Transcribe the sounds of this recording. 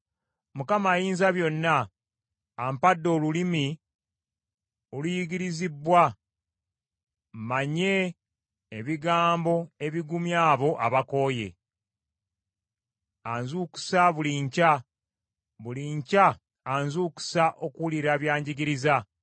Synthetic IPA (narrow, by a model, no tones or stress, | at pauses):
mukamaːjiːnzaβjo̞nːaː | mpadːo̞ːlulimi | olujiɡiɾizibwa | mmaɲe̞ː | βiɡaːmbo̞e̞βiɡumjaːβo̞ʔaβako̞ːje̞̰ | anzuku̥saβuliɲca | βuliɲcaː | nzuːku̥saʔo̞kuliɾaβjaːɲɟiɡiɾiza